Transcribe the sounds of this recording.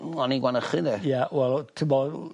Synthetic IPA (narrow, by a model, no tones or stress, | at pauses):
ɔniɡwanəχɪðɛjawɛlˠtʰəmɔ